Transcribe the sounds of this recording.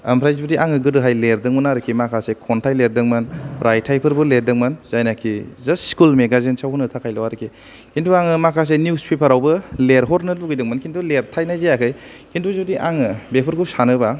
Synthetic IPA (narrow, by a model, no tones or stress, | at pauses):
ɐmpʰɾajzibudiʔaŋɯɡɯdɯɦajleɾdɯŋmɯnaɾɯkʰimakʰasekʰɔntʰajleɾdɯŋmɯnɾajtʰajpʰɯɾbɯleɾdɯŋmɐnzajnakʰizasskulmeɡazensawhunɯtʰakʰajlawaɾɯkʰi | kʰintʰuaŋɯmakʰas̬enjuspʰepʰəɾawbɯleɾɦɔɾnɯluɡijdɯŋmɯnkʰintuleɾtʰajnajzejakʰɯj | kʰintʰuzudiʔaŋɯbepʰɯɾkusanɯba